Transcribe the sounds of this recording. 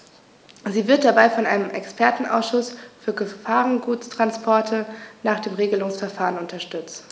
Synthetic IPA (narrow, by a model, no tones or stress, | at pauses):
ziːvɪɐt̚d̥abaɪfɔnʔaɪnəmʔɛkspʰɛɐtn̩ʔa̰ʊsʃʊsfyːɐɡəfaːʁənɡuːt͡stʁ̥anspʰɔɐtʰənaːχd̥eːmʁeːɡəlʊŋsfɛɐfaːʁənʊntɐʃtʏt͡st